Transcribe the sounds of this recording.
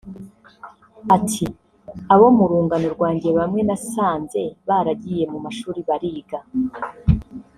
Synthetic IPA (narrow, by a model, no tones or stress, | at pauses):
atʰi | aβo̞muɾuːŋɡanoɾɡwaːɲɟe̞βamŋe̞nasaːnze̞βaɾaɟije̞mumaʃuːɾiβaɾiːɡa